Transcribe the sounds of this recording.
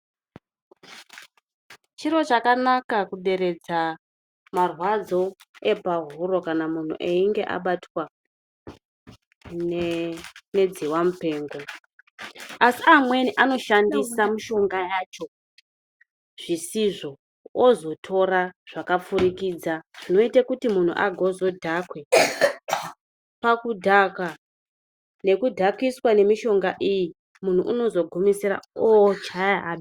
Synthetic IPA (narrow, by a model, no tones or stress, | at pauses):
t͡ʃiɾo̞t͡ʃakanakakuɗe̞ɾe̞d͡za | marwad͡zo̞e̞paɦuɾo̞kanamun̤ṵʔeiŋɡe̞ʔa̰ɓatwa | n | ne̞d͡ziwamupe̞ːŋɡo̞ | asiamwe̞niʔano̞ʃandisamuʃo̞ŋɡajat͡ʃo̞ | ʐ̥isiʐo̞ | ozo̞tʰo̞ɾaʐ̥akap͡fuɾikiːd͡zaʐ̥ino̞itakutimun̤ṵʔa̰ɡʱozo̞dʱakwe | pakudʱaka | ne̞kudʱakiswane̞miʃo̞ŋɡaʔiji | mun̤uʔuno̞zo̞ɡʱumisira̰ot͡ʃajaaɓi